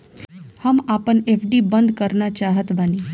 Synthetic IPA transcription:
həmapəɳefɖibənd̪kəɾnat͡ɕaɦət̪bəni

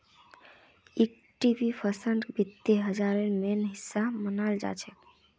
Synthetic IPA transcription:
ik̚ | ʈibipʰəsəɳɖbit̪ːeɦəd͡ʒaɾənmenɦisːamənald͡ʒa̰t͡ʃʰɛ

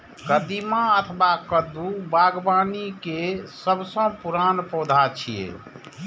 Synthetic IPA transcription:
kəd̪imaət̪ʰbakəd̪ubaɡbanikesəbsə̃puɾanpɔd̪ʱat͡ʃʰiḛ

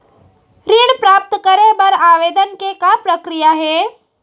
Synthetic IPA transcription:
ɾiːɽpɾaːp̚t̪kəɾẽbɐɾaːʋeːd̪ənkekapɾəkɾijaɦɛː

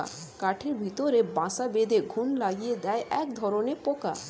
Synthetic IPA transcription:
a̰ | kaʈʰeɾbʱit̪oɾebãsabed̪eɡʱunlaɡijed̪ɛeʔɛkd̪ʱɔɾonepoka̰

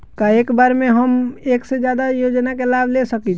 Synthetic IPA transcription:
kaekbaɾmeɦəmeksed͡ʒjad̪ajod͡ʒnakelablesəkit͡ʃ

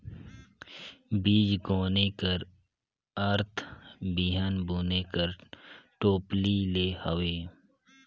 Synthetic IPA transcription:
biːd͡ʒɡoːnekəɾ | ɐɾt̪ʰbiɦənbuːnekəɾʈoːplileːhɐweː

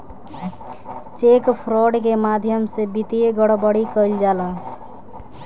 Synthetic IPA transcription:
t͡ʃekpʰɾɔɖkemad̪ʱjəmsebit̪ieɡəɽbəɽikəld͡ʒalə̃

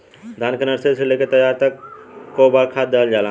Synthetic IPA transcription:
d̪ʱaːnkənəɾseseleket̪əjaːɾt̪əkːobakʰad̪d̪ːeɦəld͡ʒaːla

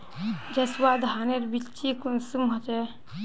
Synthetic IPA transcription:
d͡ʒɐswad̪ʱaneɾbit͡ʃikunsumɦot͡ʃe

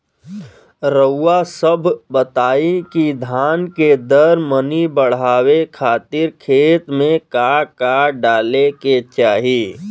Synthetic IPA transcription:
ɾəːasəbʱbət̪aːikid̪ʱaːnked̪əɾmənibəɽ̤aːwekʰaːt̪ɪɾkʰeːt̪mẽkakaɖaːleket͡ʃaːɦiː

